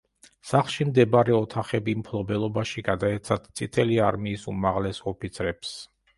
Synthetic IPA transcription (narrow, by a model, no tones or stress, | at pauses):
saχlˠʃimd̪ɛbaɾɛɔt̪ʰaχɛbimpʰlˠɔbɛlˠɔbaʃiɡad̪aɛt̪sʰat̪t̪sʼit̪ʰɛliaɾmiːsumaʁlɛsɔpʰit̪sʰɾɛps